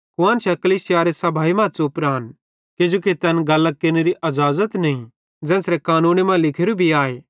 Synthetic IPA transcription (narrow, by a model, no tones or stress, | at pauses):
kʊãːnt͡ʃʰɛkɐliːsɪjaːɾesɐbʱaːimãːsoʊpɾaːn | ked͡ʒoːket̪ɛnɡɐlːakɪneɾiʔɐzaːzət̪nɐĩ | d͡zɛ̃ːsɾɛkaːnũːnemãlɪkʰeɾubʱiaːeː